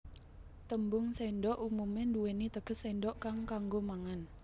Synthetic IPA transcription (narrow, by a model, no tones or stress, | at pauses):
t̪əmbʊŋseɳɖɔʔumumenduwenit̪əɡ̥ə̤seɳɖɔʔkaŋkaŋɡomaŋan